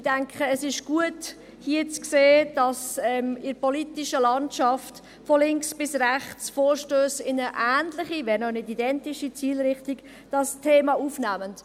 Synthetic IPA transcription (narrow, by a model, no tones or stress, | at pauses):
d̥æŋkʰχəːsɪʃɡ̥uət | hiət͡skseːd̥ɑsɛmɪɾpɔlitɪʃəlɑntʃɑft | fɔlɪŋksb̥ɪsræχt͡sfoːɾʃtøːsɪnəʔæːntlɪχivɛːɾnɔnɪdidɛntɪʃit͡siːlɾɪχtiɡ̥ | d̥ɑstʰeːmɑʔuːfnæmənt